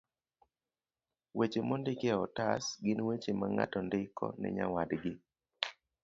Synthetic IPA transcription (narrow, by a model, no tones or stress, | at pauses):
wet͡ʃemɔndɪkɛɔtasɡɪnwet͡ʃemaŋa̰tɔndɪkɔ̰nɪ̰ɲa̰wadɡɪ